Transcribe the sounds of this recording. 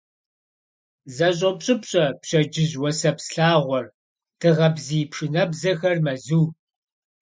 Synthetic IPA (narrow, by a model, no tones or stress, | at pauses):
zɐɕ̬ʼɐpɕʼɪpɕʼɐpɕɐd͡ʒɪʑwɔsɐpsɬaːʁʷɔr | tʰɨʁɐbziːpʂɨnɐbzɐxɐrmɐzuː